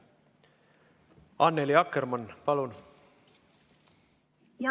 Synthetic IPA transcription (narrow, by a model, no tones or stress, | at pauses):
ɑnːeliɑkːermɑnpɑlun